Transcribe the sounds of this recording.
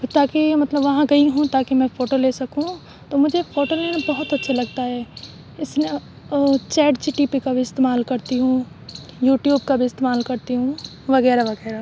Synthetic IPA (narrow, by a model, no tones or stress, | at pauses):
t̪aːkimɐt̪ləbʋɐɦãɡɐiɦũt̪aːkimɛ̃foːʈoleːsɐkũ | t̪oːmʊd͡ʒʱefʰoːʈolenbɐɦʊt̪ɐtːʃʰelɐɡt̪aɦɛː | ɪsne | t͡ʃɛːɖt͡ʃiʈipikabʱiɪst̪eːmaːlkɐɾt̪iɦũ | juːʈjuːbkabʱiɪst̪eːmaːlkɐɾt̪iɦũ | ʋɐɣɛːɾaʋɐɣɛːɾa